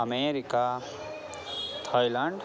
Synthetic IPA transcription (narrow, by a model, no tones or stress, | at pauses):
əmeɾika | t̪ʰajlaɳɖ